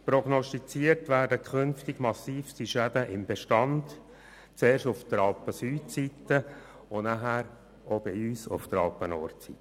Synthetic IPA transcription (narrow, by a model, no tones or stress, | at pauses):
pɾɔɡnɔstit͡siəɾtʋæːɾdəkʰʏnftɪɡ̥mɑsiːfstiʃædəʔɪmbeʃtɑnd | t͡seːɾʃtʊfd̥̪əɾɑlpəsyːtsit̪ːə | ʊnaɦæːɾ | obiyːsʊ̰ft̪əɾɑ̰lpənɔ̰ːɾtt͡sitːə